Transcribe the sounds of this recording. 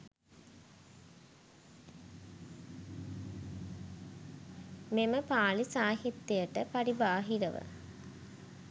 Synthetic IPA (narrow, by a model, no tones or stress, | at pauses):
meməpaːlisaːɦit̪ːijəʈəpaɾibaːɦiɾəʋə̰